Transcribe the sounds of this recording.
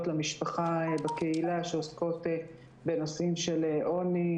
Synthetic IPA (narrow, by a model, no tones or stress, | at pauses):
tlamiʃpaχabakeilaʃeosko̞t | benosimʃeleʔo̞ni